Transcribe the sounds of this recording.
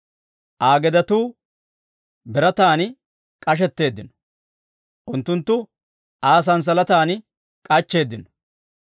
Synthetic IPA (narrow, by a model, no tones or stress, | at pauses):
ʔaːɡɛd̪ɐt̪uː | bɛɾɐt̪aːnɪ | kʼɐʃ̬ɛt̪ːe̞ːd̪ːɪnɔ̥ | ʔʊnt̪ːʊnt̪ːʊ | ʔaːs̬ɐns̬ɐlɐt̪aːnɪ | kʼɐt͡ʃːe̞ːd̪ːɪnɔ